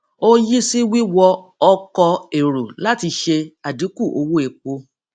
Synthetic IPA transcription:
o˦ji˦si˦wi˦wɔ˧ɔ˧kɔ˧e˨ɾo˨la˦ti˧ʃe˧a˨di˨˦ku˦˨ʔo˧wo˦e˨k͡po˧

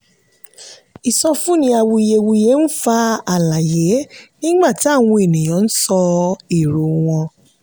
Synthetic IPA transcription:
i˨sɔ˧fũ˦nĩ˧˦a˧wu˧i˧je˧wu˧je˨˦n̩˦fa˧˦a˦˨la˨je˨˦nĩ˦ɡ͡ba˦˨ti˨˦a˦˨w̃ũ˧e˨nĩ˨j̃ɔ̃˨˦n̩˦sɔ˧i˨ɾu˨˦w̃ɔ̃˧

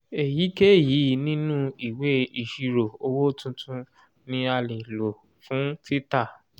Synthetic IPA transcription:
e˨ji˨˦ke˦ji˨˦nĩ˦nũ˦i˨we˨˦i˨ʃi˧ɾo˨o˧wo˦tũ˧tʰũ˧˦ | nĩ˦a˧le˨lo˨ | fũ˨˦ti˦ta˦˨

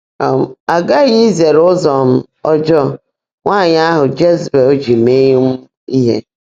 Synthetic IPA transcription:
ɔ˨m̩˨a˨ɡa˦ɲi˦ze˨ɾʊ˦zɔ˨m̩˦ | ɔ˦d͡ʒɔ˦ | ŋʷa˦˨ɲ˦a˦ɦʊ˨d͡ʒe˦zbe˨o˦d͡ʒi˨me˦ɲ˦m̩˦ | i˦ɦḛ˦

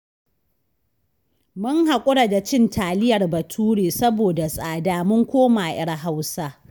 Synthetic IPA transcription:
mʊ˦ŋɦa˨kʷʼʊ˦ɽa˨da˨t͡ʃɪ˦ntʰaː˨lɪ˦jɐ˨rbɐ˨tʰuː˦ɽeː˨sɐ˦boː˨da˨sʼaː˨daː˦mʊ˦ŋkʷoː˦maː˨ʔɪ˦ɽɦa˦wsa˦

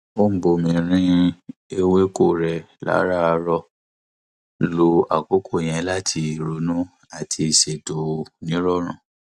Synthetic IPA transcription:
o˦m̩˦bo˧˨mĩ˧ɾ̃ĩ˦e˧we˦ko˦˨ɾɛ˨ | la̰˨˦ɾa˦a˧ɾɔ˧ | lo˧a˨ko˦kʰo˦˨j̃ɛ̃˨˧˦la˦tʰi˧˨ɾo˨˦nũ˦ | a˦˨tʰi˧˨ʃe˨to˨nĩ˨˦ɾɔ˦˨ɾ̃ã˦˨

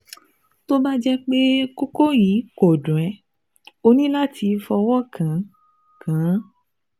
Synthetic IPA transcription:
to˦ba˦d͡ʒɛ˦k͡pe˦ko˦ko˦jĩ˨˦ko˨dũ˨ɛ˨˦ | o˧nĩ˦la˦tʰi˧fɔ˧wɔ˦˨kʰã˨˦ | kã˨˦

